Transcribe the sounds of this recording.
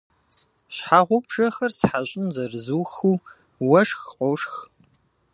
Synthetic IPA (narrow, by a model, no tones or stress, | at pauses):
ɕħaʁʷʊpʰʒ̥ɐxɐrsħaɕʼɪmzɐrɨzuːxuː | wɐʂxqʷʼɔʂx